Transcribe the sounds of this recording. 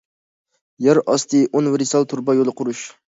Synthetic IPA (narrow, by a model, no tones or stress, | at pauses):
jæɾʔɑst̪ʰɨʔonwɾisɑlˠt̪ʰuɾbɑjolˠɨqʰʊɾuʃ